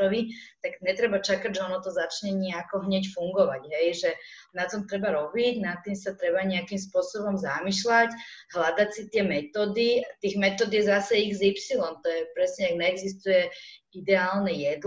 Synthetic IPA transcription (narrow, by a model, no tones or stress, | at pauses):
ɔʋit̪aɡɲɛt̪ɾɛbat͡ʃakaɟʒɛɔnɔt̪ɔzat͡ʃɲɛɲiakɔɦɲɛcfuŋɡɔʋaɟɦɛjʒɛ | nat̪ɔmt̪ɾɛbaɾɔbiɟnat̪ːimsat̪ɾɛbaɲɛakimspʊɔsɔbɔmzamiʃlacɦlad̪acsit̪ɪɛmɛt̪ɔːd̪iat̪iːɣmɛt̪ɔːd̪ijɛzasɛiɣzipsilɔmt̪ɔjɛpɾɛsɲɛaɡɲɛːɡzist̪ujɛ | id̪ɛaːlnɛjɛd̪l